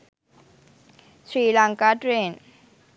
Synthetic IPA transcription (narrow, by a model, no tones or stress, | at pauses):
sɾiːlaŋkaʈɾeːn